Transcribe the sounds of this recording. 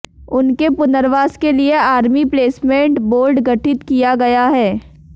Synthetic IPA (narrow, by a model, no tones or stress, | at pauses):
ʊnkepʊnəɾʋaːskelieaːɾmipleːsmẽːɳʈboːɾɖɡɐʈɪt̪kijaɡɐjaɦɛː